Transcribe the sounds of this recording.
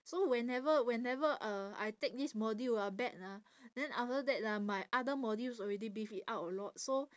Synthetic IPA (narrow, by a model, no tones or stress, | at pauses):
sowɛ̃nɛvəwɛ̃nɛvəʔaa̰jtek̚dismɔdiabɛk̚na | dɛ̃naftədɛt̚amajʔadəmɔdisɔɹɛdibifitawtəlɔt̚so